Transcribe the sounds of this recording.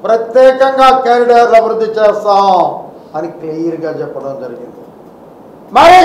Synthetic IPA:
pɾɐt̪jɛːkɐŋɡaːkaːɾiɖaːɾlɐbʱiɾud̪ʱːit͡ʃeːst̪aːw | ɐnikliːjɐɾɡaːt͡ʃɛpːɐɽɐmd͡ʒɐɾiɡind̪i | mɐɾi

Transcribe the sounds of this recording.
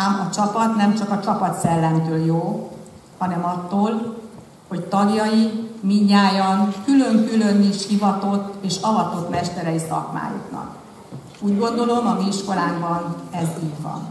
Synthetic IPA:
amɒt͡ʃɒpɒt̪nɛmt͡ʃɒkɒt͡ʃɒpɒt̪sɛlːɛnt̪øːljoː | hɒnɛmɒt̪ːoːl | ho̞ct̪ɒɡjɒjimiɲːaːjɒŋkylø̞ŋkylø̞niʃhivɒt̪o̞t̪ːeːʃɒvɒt̪o̞t̪mɛʃt̪ɛɾɛjisɒ̰kma̰ːjṵknɒ̰k | uːɟɡo̞nd̪o̞lo̞mɒmiiʃko̞laːɡbɒnɛzivɒ̰n

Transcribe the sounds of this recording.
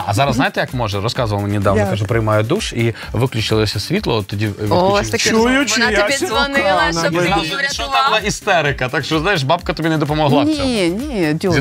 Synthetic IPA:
ɐ̰zaɾɐsajɪt̪ɪjɐkmɔʐɛrɔskazɨʋɐlˠnʲɪd̪aʋ̪ɐk̪aʒɛpɾɪjmajʊd̪uʂi | ʋɪklʲʉt͡ʃɪlˠəsʲɐsʲʋʲit̪lˠɐt̪ːɔdʲiʋuɐt͡ʃujʊt͡ʃjʲzʋnɪlˠɐnɐnaɛɐʃɔnabɨlˠaist̪ɛɾɪkɐt̪akʃɔznajɪʂ̬bapkɐt̪ɔbʲinɛd̪ɔp̬ɔmɔɦlˠanʲid̪ʲ

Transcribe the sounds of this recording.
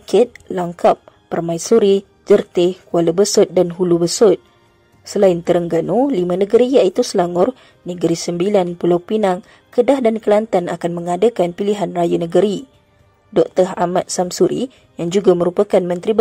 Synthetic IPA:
kɪt̪̚laŋkap̚ːərmãjsuɾi | d͡ʒərt̪ɪhkualəbəsʊt̪̚danɦulubəsʊt̪̚ | səlaɪnt̪əɾəŋɡanulimãnə̃ɡəɾijaʔit̪usəlaŋʊr | nəɡɾisəmbilanpulawpinaŋ | kədahdankəlant̪anakanmə̃ŋadəkanpiliɦanrajanə̃ɡəɾi | dɔk̚t̪əra̰mat̪̚samsuɾi | jaŋd͡ʒuɡamə̃ɾupakanmə̃nt̪ɾib

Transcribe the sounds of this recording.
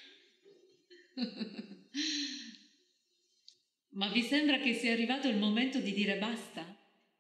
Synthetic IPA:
mavːisembɾak̟esːiɛarːivaːt̪oilmoment̪od̪id̪iːɾebast̪a

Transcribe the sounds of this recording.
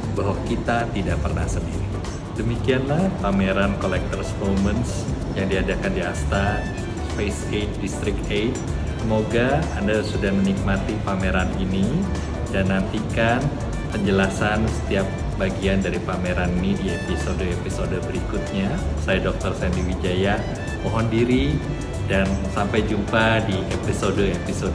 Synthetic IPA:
baɦwakit̪at̪idaʔpərna̰hsəndiɾi | dəmikianlahpameɾankolɛk̚t̪ərsfoməns | jaŋdiad͡ʒakandiast̪a | spesket̪̚dist̪ɾɪk̚et̚ | səmoɡaːndasudahmənik̚mat̪ipameɾanini | danːant̪ikan | pəɲd͡ʒəlasansə̥t̪iap̚ | baɡiandaɾipameɾaninidiepisodoepisodobəɾikut̪̚ɲasajadɔk̚t̪ɔrsaajandiwid͡ʒaja | pɔɦɔndiɾi | dansampajd͡ʒumpadiepisodoepisod

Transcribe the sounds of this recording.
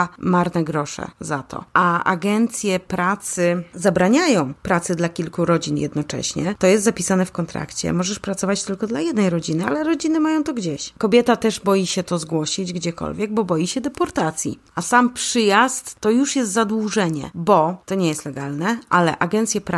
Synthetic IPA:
maɾnɛɡɾɔʂɛ̰zat̪ʰɔ̰ʔaʔa̰ɡɛnt̪sʲjɛpɾat̪sɘzabɾaɲajɔ̃w̃pɾat̪sɘd̪lakʲilkuɾɔd͡ʑinjɛ̰d̪̚nɔt͡ʂɛ̰ɕɲɛt̪ɔjɛst̪zapʲisanɛfkɔnt̪ɾa̰kt͡ɕɛ̰mɔʐɛʂpɾat̪sɔvat͡ɕt̪ɘlkɔd̪lajɛd̪nɛjɾɔd͡ʑinɘalɛɾɔd͡ʑinɘmajɔ̃w̃t̪ɔɡd͡ʑeɕkɔbʲjɛt̪at̪ɛʐbɔjiɕɛt̪ɔzɡwɔɕid͡ʑɡd͡ʑɛkɔ̰lvʲjɛɡ̚bɔbɔjiɕɛd̪ɛpɔɾt̪at̪sʲjḭ | asampʂɘjast̪ːɔjuʂjɛst̪zad̪wuʐɛɲɛ̰bɔt̪ɔɲɛjɛst̪lɛɡalnɛʔalɛʔaɡɛnt̪sʲjɛp

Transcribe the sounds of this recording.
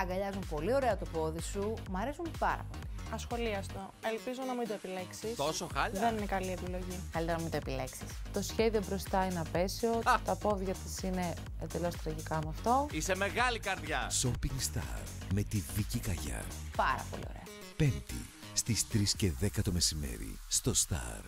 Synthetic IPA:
ɐɡɐʎɐzumpo̞lio̞ɾe̞ɐt̪opo̞ðisumɐɾe̞sumpɐɾɐ̰po̞liɐsxo̞liɐst̪o | e̞lpizo̞nɐmid̪oepile̞ksist̪o̞soxɐʎðeninekɐliepilo̞ʝikɐlit̪eɾɐnɐmit̪oepile̞ksi̥st̪o̞sçe̞ðio̞bɾo̞st̪ɐineɐpe̞sio̞t̪ɐpo̞ðʝɐt̪isine̞ | end̪e̞lo̞st̪ɾɐʝikɐmeɐft̪o̞ise̞me̞ɣɐlikɐɾðʝɐso̞piŋɡst̪ɐ̰ɾme̞t̪iðicikɐʝɐ̰pɐɾɐ̰po̞̰lḭo̰ɾe̞̰ɐ | pe̞nt̪ḭ | st̪ist̪ɾisce̞ðe̞kɐt̪o̞me̞sime̞̰ɾḭst̪o̞st̪ɐ̰ɾ

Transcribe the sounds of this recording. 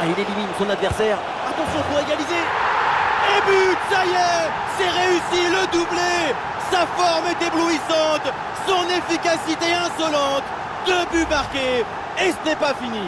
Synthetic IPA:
ailɛlimit̪sɔ̃nad̪vɛʁsɛːʁ | at̪ɑ̃sjɔ̃puʁeɡalize | ebyt̪sajɛ | sɛʁeysiləd̪uble | safɔʁmɛt̪ebluisɑ̃t̪ | sɔ̃nefikasit̪eɛ̃sɔlɑ̃t̪ | d̪əbymaʁkʲeː | sənɛpafini

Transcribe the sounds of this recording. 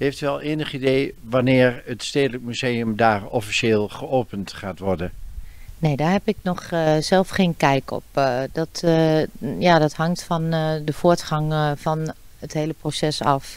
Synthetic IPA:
hejftɛlˠeːnəχidejʋanɪːɹətsteːdələkmyzeːəmdaːɹɔfiseːlˠχəoːpəntχaːtʋɔɹdəneːdaːɦɛpɪk̚nɔxsɛlˠfχeːnkɛjkɔ̰pdɔt | jaːdɔthɑŋktfɔndəfʊətχɑŋfɔn | ətheːləprosɛsɑ̰f

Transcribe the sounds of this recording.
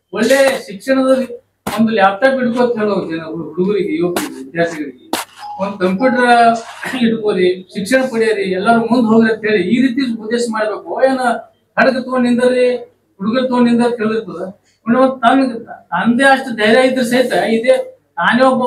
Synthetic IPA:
ɔɭːeːʃikʂɐɳɐd̪ɐlːi | ond̪ɐljaːp̚ʰt̪aːpiɽkoɐnt̪ɦeːɭoenɐuɦuɽuɡɐɾiɡeiːʋɐkɐɾiɡʋid̪jaːɾt̪ʰiɡɐɭiɡeond̪ukɐmpjuːʈɐɾɐiɽkoːɾiʃikʂɐɳɐpɐɽijɐɾiɛlːɐɾumund̪ɦoːɡ̪ɾeɐnt̪ɦeːɭiiːɾiːt̪ijɐlud̪eːʃɐmaːɽbeːkuoeːnɐ | hɐɽɐɡɐt̪oːnːind̪ɐɾi | ɦuɽuɡɐɾt̪oːnind̪ɐɾk̪eːɭiɾt̪ɐd̪u | oɳːeʋɐnd̪t̪aːmiɡt̪ɐnd̪eɐʂʈud̪ɐjɾjaːjid̪ɐɾsɐjit̪ɐid̪eː | naːnjoːbɐ

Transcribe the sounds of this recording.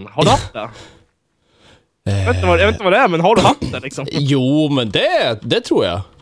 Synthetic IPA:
haɖad̪ɛ̰ | et̪əvajɑet̪əvad̪ɛæɾmɛnɦaɖɵɦat̪d̪ɛlɪksɔmjuːmɛnd̪ɛd̪ɛt̪ʰɾuːɾja̰

